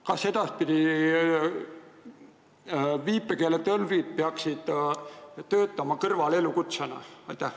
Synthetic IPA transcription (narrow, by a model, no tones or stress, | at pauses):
kɑse̞d̪̥ɑspid̪̥ʲi | viːpːˑekelet̪ølvit̪̚peɑksid̪̥ | t̪ø̞ːt̪ːˑɑmɑkɤrvɑle̞lukut̪senɑ̰ɑjt̪ːæh